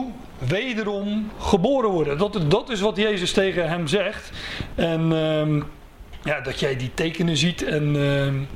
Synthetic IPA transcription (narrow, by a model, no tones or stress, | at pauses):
ʋejdərɔmχəboːɾənʋɔɹdədɔtɪs̬ʋɑtjejzəstejɣəɦɛmzɛχtɛn | jadɔtjɛjditejkənəzitɛn